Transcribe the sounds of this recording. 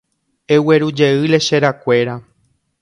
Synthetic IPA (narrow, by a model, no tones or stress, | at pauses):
e̞we̞ɾud͡ʒe̞ɨle̞ʃe̞ɾakʷe̞ɾa